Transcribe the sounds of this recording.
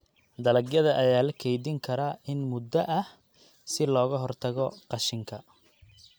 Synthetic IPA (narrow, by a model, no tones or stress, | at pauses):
d̪ɐlɐɡjɐðɐʔɐjaːlɐkʰɛjðɪŋkʰɐɾaɪnmʊd̪ɐʔɐh | sɪlɔːɣɐɦɔrt̪ʰɐɣɔqɑʃɪŋkʰɐ